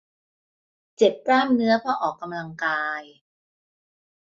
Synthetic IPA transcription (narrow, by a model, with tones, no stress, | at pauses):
t͡ɕe˨˩p̚klaː˥˩mnɯ˦˥ɐpʰɔː˥˩ʔɔː˨˩kːa˧mla˧ŋkaː˧j